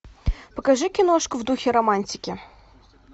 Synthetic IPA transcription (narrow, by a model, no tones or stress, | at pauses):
pəkɐʐɨkʲɪnoʂkʊvd̪uxʲɪɾɐmanʲtʲɪkʲɪ